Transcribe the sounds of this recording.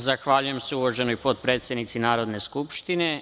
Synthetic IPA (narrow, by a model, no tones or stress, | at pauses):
zaxʋaʎuje̞mseuʋoʒe̞nojpo̞t̪̚pɾe̞ːt̪sjed̪nit̪sinaːɾo̞d̪ne̞skupʃt̪ine̞